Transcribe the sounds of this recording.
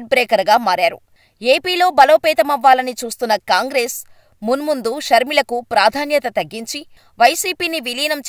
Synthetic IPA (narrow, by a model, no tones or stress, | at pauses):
ʈ̚bɾɛːkɐɾɡaːmaːɾaːɾṵ | eːpiːlo̞ːbɐlo̞ːpɛːt̪ɐmɐʋːaːlɐnit͡ʃuːst̪unːɐkaːŋɡɾe̞ːs | munmund̪uʃɐɾmilɐkupɾaːd̪ʱaːnjɐt̪ɐt̪ɐɡːiɲt͡ʃi | ʋɐjsiːpiːniʋiliːnɐmt͡ʃ